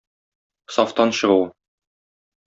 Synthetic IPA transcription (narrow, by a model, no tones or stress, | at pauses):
sɒft̪ɑnɕɤ̆ʁɤw